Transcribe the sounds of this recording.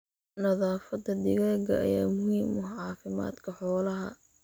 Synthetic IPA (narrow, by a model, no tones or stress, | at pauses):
nɐðaːfɐd̪ɐd̪ɪɣaːɡɐʔɐ̰jaːmʊhiːmɔɦʕɑːfɪma̰ːd̪kʰɐħɔːlɐɦɐ̰